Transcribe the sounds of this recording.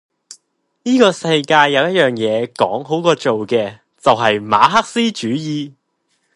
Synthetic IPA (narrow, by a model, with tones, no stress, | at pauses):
niː˥kɔː˧sɐ˧jkaː˧jːɐ˨˧wjɐ˥t̚jœː˨˩ŋjɛː˨˧kɔ̰ː˨˥ŋɦo˨˥wkɔː˧t͡ʃo˨wkɛː˧ | t͡sɐ˨wɦɐ˨jma̰ː˨˧˥ɦɐ˥k̚siː˥t͡ʃyː˨˥jiː˨˧